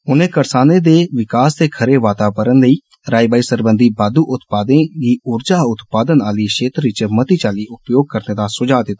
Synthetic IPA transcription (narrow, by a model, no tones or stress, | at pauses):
ʊnẽːkəɾsaːneːd̪eːʋɪkaːst̪eːkʰəɾeːʋaːt̪aːʋəɾənləiː | ɾaːibaːiːsəɾbənd̪ʱiːbaːd̪uːʔʊt̪paːd̪ẽːɡiːʊɾd͡ʒaːʊt̪paːd̪ənaːliːʃeːt̪ɾʋɪt͡ʃmət̪iːt͡ʃaːliːʔʊpjoːɡ̚kəɾneːd̪aːsʊd͡ʒaːd̪ɪt̪ːaː